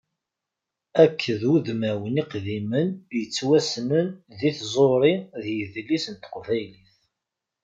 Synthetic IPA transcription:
ækʰːəðuðmæwəniqðimənjət͡sːwæsnənðiθzˤoɾˤiðjəðlisənt̪ə̥qvæjliθ

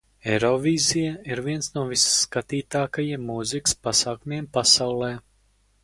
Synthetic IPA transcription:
ɛɾɔvʲiːzijaiɾviɛnsnuɔvisːkat̪iːt̪aːkajiɛmːuzikɨ̥spasaːkumʲiɛmpasawlˠɛː

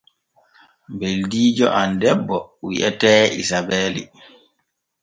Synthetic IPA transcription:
mbeldiːd͡ʒɔ̰ʔandɛbːɔwḭʔɛtɛːisabɛːlḭ

